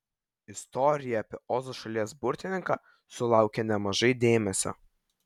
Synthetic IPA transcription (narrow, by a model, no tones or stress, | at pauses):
ɪst̪ɔɾʲɪjɛɐpʲiɛʔɔːzoʃɐlʲiɛsbʊɾʲt̪ʲɪnʲɪŋkɑ | sʊlˠɑˑʊkʲɛnʲɛmɐʒɐɪd̪ʲeːmʲɛsʲo̰